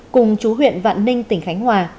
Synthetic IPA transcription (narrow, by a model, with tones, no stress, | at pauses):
kʊ˨˩ŋ͡mt͡ɕu˨˦ɦwḭ˧˨ənva̰ː˧˨nːï˧ŋ̟t̪ï˧˩ŋ̟xa˨˦jŋ̟hwaː˨˩